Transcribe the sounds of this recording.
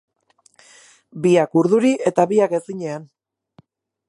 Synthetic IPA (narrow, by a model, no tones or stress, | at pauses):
biakuɾðuɾiʔe̞t̪aβiake̞siɲe̞an